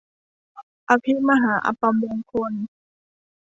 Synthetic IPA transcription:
ʔa˧pʰi˦˥ma˧ɦaː˩˦ʔa̰˧pa˧mbɛː˧ŋkʰo˧˥˨n

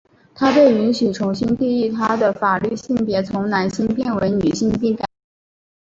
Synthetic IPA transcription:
t̪ʰa˥pe˥˩ɪy˧˥nɕy˨˩ʈ͡ʂʰʊ˧˥ŋɕi˥nt̪i˥˧i˥˩t̪ʰa˥d̪ə˨fa˨˩ly˥˧ɕi˥˩ŋpjɛ˧˥t͡sʰʊ˧˥ŋna˧˥nɕi˥npjɛ˥˩nwə˧˥ɪny˨˩ɕi˥˧ŋpi˥˩ka˨˩˦n

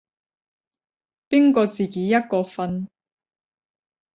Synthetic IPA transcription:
pi˥nkɔː˧t͡siː˨ke˨˥jɐ˥t̚kɔː˧fɐ˧n

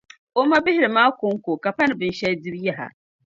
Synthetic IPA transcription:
ʔʊ˦ma˦bɪ˦hɪ˦˨ɾi˨maː˦kʷʊ˦ŋkʷo˨ka˨pɐ˦n˨bɨ˨nʃɛ˦dɪ˦ɾja˦ɦa̰˨

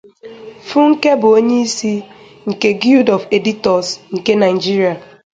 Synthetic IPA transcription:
fu˦ŋ̩˦ke˦bʊ˨o˦ɲe˦i˦si˦ | ŋ̩˨ke˦ɡi˦ldɔ˨fe˨di˦tɔ˨sŋ̩˨ke˦na˨ɪ˨d͡ʒi˦ɾi˨a˨

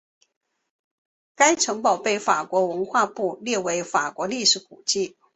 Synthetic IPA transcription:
ka˥ɪʈ͡ʂʰɤ˧˥ŋpɑ˨˩ʊpe˥˩ɪfa˨˩kwɔ˧˥wə˧˥nxwa˥˧pu˥˧ljɛ˥˩we˧˥ɪfa˨˩kwɔ˧˥li˥˩ʂɻ̩˧˥ku˨˩t͡ɕi˥˩

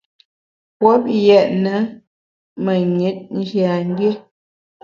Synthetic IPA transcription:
pwɔ˨˦p̚jɛ˨ʔnə˨˦ | mə˨ɲe˨˦t̚n̩˦d͡ʒja˨ŋ˦ɡe˦

